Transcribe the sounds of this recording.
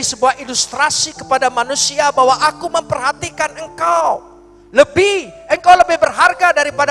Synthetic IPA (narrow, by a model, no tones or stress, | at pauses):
isəbuahilust̪ɾasikə̥padamanusiabawaʔakuməmpərhat̪ikanəŋkaw | ləbɪhəŋkawləbɪhbərɦarɡadaɾipad